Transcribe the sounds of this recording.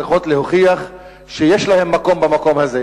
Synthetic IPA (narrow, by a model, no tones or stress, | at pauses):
iχo̞tlehoχiaχ | ʃejeʃlahe̞mːako̞mbamako̞mhaze